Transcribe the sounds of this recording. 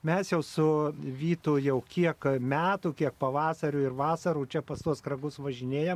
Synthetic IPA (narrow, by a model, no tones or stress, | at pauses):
mʲɛsjɛʊsʊʋʲiːt̪ʊjɛʊkʲiɛkmʲæːt̪uːkʲiɛk̚pɐʋɑːsɐɾʲʊɪrʋɑːsɐɾuːt͡ʃʲɛpɐst̪uɔskrɐɡʊsʋɐʒʲɪnʲeːjɛm